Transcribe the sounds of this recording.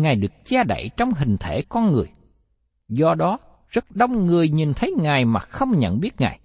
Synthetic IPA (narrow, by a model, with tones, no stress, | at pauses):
ŋaː˨˩jɗɨ˨˩ək̚t͡ɕaː˧ɗa̰˧˨jt͡ɕɔ˧wŋ͡mɦï˨˩ŋ̟t̪ʰe˧˩kɔ˧nŋɨ˨˩əj | zɔ˧ɗɔ˨˦ | z̥ə˦˥t̚ɗə˧wŋ͡mŋɨ˨˩əjɲi˨˩nt̪ʰə˨˦jŋaː˨˩jmaː˨˩xə˧wŋ͡mɲə̰˧˨nɓi˦˥ət̚ŋa̰ː˨˩j